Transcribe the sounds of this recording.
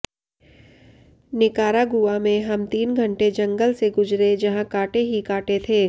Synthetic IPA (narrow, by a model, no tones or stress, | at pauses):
nɪkaːɾaɡʊamẽɦɐmt̪iːnɡʱə̃ɳʈed͡ʒɐ̃ŋɡəlseɡʊd͡ʒɾed͡ʒɐɦãkaːʈeɦikaːʈet̪ʰeː